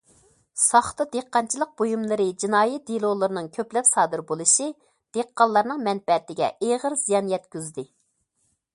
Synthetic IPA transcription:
sɑχt̪ɨd̪eqːɑnt͡ʃʰilˠəq̚b̥ojumlˠɨɾɨd͡ʒinɑːjɛt̪̚d̪ilˠolˠɨɾɨnɨŋkʲʰøplɛpsɑːd̪ɨɾbolˠɨʃi | d̪̥eqːɑlˠːɑɾnɨŋmɛnbɛt̪ɪɡʲɛ̰eʁəɾz̥ijɑnjɛt̪̚kʲyzd̪ɪ

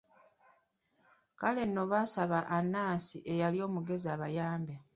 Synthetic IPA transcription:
kale̞nːo̞βaːsaβaʔːnːaːsiʔe̞jaljo̞ːmuɡe̞ziaβajaːmbe

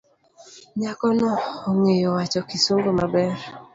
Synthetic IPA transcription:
ɲakɔnɔːŋejɔwat͡ʃɔkisuŋɡomabɛr

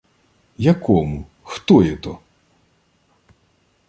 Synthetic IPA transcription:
jɐkɔmu | xt̪ɔjɛt̪ɔ

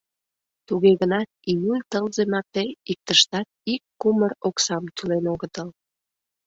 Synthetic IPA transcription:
t̪uɣeɣənɑt̪̚ijulʲt̪əlzemɑt̪eik̚t̪əʃt̪ɑt̪̚ikːuməroksɑmt̪ylenoɣət̪əl

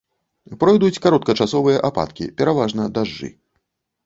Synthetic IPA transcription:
pɾɔjd̪ut͡sʲkaɾɔt̪̚kɐt͡ʂasɔvɨjɐʔapa̰t̪kʲḭpʲɛɾavaʐnɐd̪aʐːɨ̰

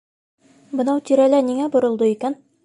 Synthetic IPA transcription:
bɤ̆nɑwt̪iɾælæniŋæbŏɾɤ̆lˠd̪ɤikæn

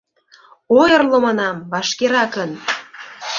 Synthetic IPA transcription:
ojɤrlŏmɑnɑmvɑʃkeɾɑkən

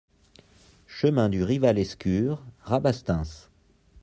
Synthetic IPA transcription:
ʃəmɛ̃d̪yʁivalɛskʲyːʁʁabast̪ɛ̃s

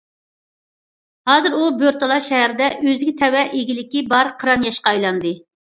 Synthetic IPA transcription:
hɑːzɨɾubjoɾt̪olˠɑʃɛɦæɾɪd̪ɛʔøzɪɡʲɪt̪ʰɛwɛʔeɡʲilɪkʲibɑɾqʰəɾɑnjɑʃqɑɑjlˠɑnd̪ɨ

